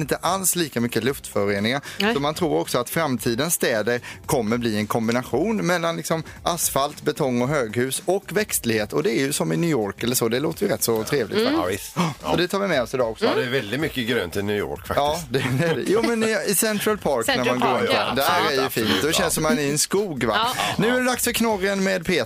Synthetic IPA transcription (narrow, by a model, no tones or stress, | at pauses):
ɪnt̪əʔalsliːkamʏkːəlɵft̪fœɾeːnɪŋaɾɔmant̪ʰɾuːɾɔksɔat̪fɾamt̪ʰiːd̪ənsːt̪ɛːd̪əɾkʰɔmːəɾbliːɛnkʰɔmbɪnaɧuːnmɛlːanlɪksɔmʔasfalt̪bɛt̪ʰɔŋːɔɦøːɡhʉ̟ːsɔkːvɛkst̪lɪɡheːt̪ɔd̪ɛæɾjɵsɔmːɪnyːoːɾkɛlːəʂɔd̪ɛloːt̪əjəɾɛt̪ːsɔt̪ʰɾeːvlɪ̰t̪ɪst̪ɔd̪ɛt̪ʰɑːvɪmɛɔsɪd̪ɑːɔksɔd̪ɛvɛld̪ɪt̪mʏkːəɡɾø̰ːnt̪ʰɪnyːo̰ːɾkfakɑːɪd̪ɛdɛjuːmɛnɪɪsɛnt̪ɾalpʰɑːɾknæɾmanɡoːɾɪnd̪ɛæɾæjjɵfiːnt̪d̪ɔʃɛnsɔmanɪɛnskuːɡvanʉ̟ːædɛd̪aksfœɾkʰnɔrənmɛːd̪pʰeː